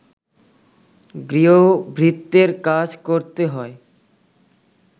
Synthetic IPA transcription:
ɡɾiobʱɾit̪ːeɾkad͡ʑkoɾt̪eɦɔe

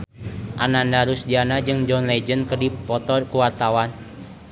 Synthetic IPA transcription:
ʔanandaɾusdianad͡ʒɨŋd͡ʒɔnled͡ʒənkərdipɔt̪ɔrkuwart̪awan

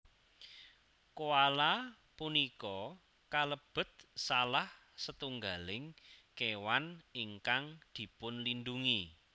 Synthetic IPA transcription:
koala | punikɔ | kaləb̥ə̤t̪̚salah | sət̪uŋɡalɪŋkewaniŋkaŋd̪̥i̤pʊnlind̪uŋi

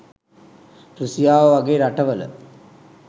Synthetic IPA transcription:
pɾusijaːʋəʋaɡeːɾaʈəʋələ̰

